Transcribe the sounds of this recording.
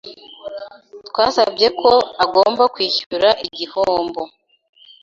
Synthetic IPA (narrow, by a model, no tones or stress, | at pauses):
twaːsa̰bje̞kʰo̞aɡo̞ːmbakwiːçuɾaʔiɟihoːmbo̞